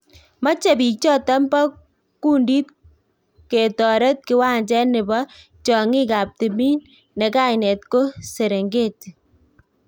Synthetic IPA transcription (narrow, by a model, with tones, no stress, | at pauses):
ma˦t͡ʃe˨bi˨t͡ʃɔ˦ta˦mbɔ˦ | ku˦ndi˦t̚ | ke˨tɔ˨ɾe˦t̚kɪ˦wa˦nd͡ʒɛ˦nɪ˨bɔ˦ | t͡ʃɔ˨ŋi˦ka˨p̚te˨mi˦n | nɛ˨ka˦ɪnɛ˨tko˦se˨ɾe˨ŋɡe˦˨t